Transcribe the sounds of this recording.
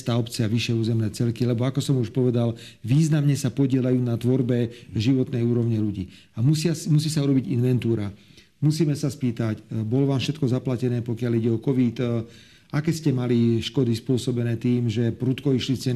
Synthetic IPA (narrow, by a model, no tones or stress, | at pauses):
t̪aːɔpt͡siaʋiʃɛuːzɛmnɛːt͡sɛlkilɛbɔakɔsɔmuʃpɔʋɛd̪al | ʋiːznamɲɛsapɔɟɪɛlajuːnat̪ʋɔɾbɛʒiʋɔt̪nɛjuːɾɔʊɲɛʎuɟḭː | amusɪamusiːsauɾɔbiɟinʋɛnt̪uːɾa | musiːmɛsaspiːt̪acbɔlɔʋaːmfʃɛt̪kɔzaplacɛnɛːpɔkɪaliɟɛɔkɔʋit̪ | akɛːscɛmaliʃkɔd̪ispʊɔsɔbɛnɛːt̪iːmʒɛpɾut̪kɔiʃlit͡sɛn